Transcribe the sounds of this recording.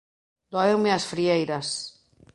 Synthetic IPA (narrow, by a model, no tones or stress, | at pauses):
d̪̥oaewmeasfɾiejɾas